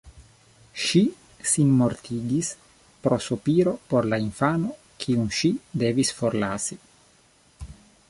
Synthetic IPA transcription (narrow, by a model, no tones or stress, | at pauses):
ʃi | sinmoɾt̪ʰiːɡis | pɾosopiːɾopoɾlaiɱfaːno | kʰiunʃid̪eːvisfoɾlaːsi